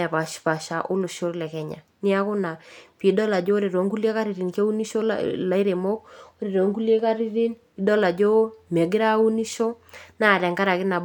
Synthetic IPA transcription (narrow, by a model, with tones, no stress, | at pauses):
ɛ˨pa˨ʃpa˨ʃa˨ʔʊ˦lʊ˨ʃo˦ɾlɛ˨kɛ˨ɲa̰˨ | nɪ˦a˦kʊ˦na˨pi˨˦dɔ˦la˨d͡ʒo˦ɾe˨ɾo˨˦ŋku˦le˦ka˦ɾi˨ɾi˨nke˦u˦ni˦ʃo̰˦la˨˦ɪ˦ɾe˨mo˦k̚o˦ɾe˨ɾo˨˦ŋku˦lje˦ka˦ɾi˦ɾi˦n | ɪ˨˦dɔ˦la˨d͡ʒo˦mɛ˨ɡɪ˦ɾa˦u˦ni˦ʃo˦na˦˨ɾɛ˨ŋka˦ɾa˨kɪ˦na˨b